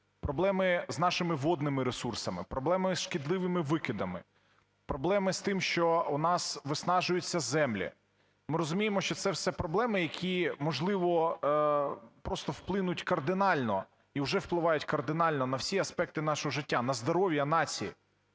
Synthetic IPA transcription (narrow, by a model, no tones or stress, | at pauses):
pɾɔblˠɛmɪznɑʃɪmɪʋɔd̪nɪmɪɾesursɐmɪ̰pɾɔblˠɛmɪsʃkʲid̪lˠɪʋɪmɪʋɪkɪd̪ɐmɪ̰ | pɾɔblˠɛmɪst̪ɪmʃt͡ʃɔʊnɑsʋɪsnɑʒʊjʊt͡sʲːɐzɛmlʲḭ | mɪɾɔzʊmʲijemɔʃt͡ʃɔt̪sɛwsɛpɾɔblˠɛmɪjɐkʲʰimɔʒlˠɪʋɔ | pɾɔst̪ɔwplˠɪnʊtʲkɐrd̪ɪnɑlʲnɔ | iwʒɛwplˠɪʋɑjʊtʲkɐrd̪ɪnɑlʲnɔnɐwsʲiɐspɛk̚t̪ɪnɑʃɔɦɔʒɪtʲːanɐzd̪ɔɾɔʋʲjɐnɑt͡sʲijḭ